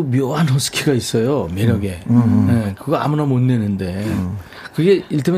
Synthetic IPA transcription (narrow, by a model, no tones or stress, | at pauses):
omjoɦanɦʌsʰɯ̥kʰiɡais͈ʌjomeɾjʌɡe̞jekɯɡaa̰munamonːenɯnde̞ | kɯɡe̞iɭtʰam